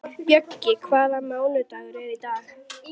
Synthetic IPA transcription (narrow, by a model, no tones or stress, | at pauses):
pjœcːɪkʰvaːðamaːwlʏt̪aɣʏɾɛɾit̪aːx